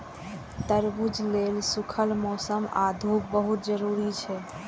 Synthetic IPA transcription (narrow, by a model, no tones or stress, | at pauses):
t̪əɾbud͡ʒlelsukʰəlmɔsəmad̪ʱubəɦut̪d͡ʒəɾuɾit͡ʃʰɛ